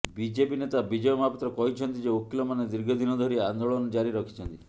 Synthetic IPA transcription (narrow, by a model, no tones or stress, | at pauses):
bid͡ʒepinet̪abid͡ʒejɔmapɔt̪ɾɔkɔɦit͡ʃʰɔnt̪id͡ʒeokilɔmaned̪iɾɡʱɔd̪ʱinɔd̪ʱɔɾiand̪oɭɔnɔd͡ʒaɾiɾɔkʰi̥t͡ʃʰɔnt̪i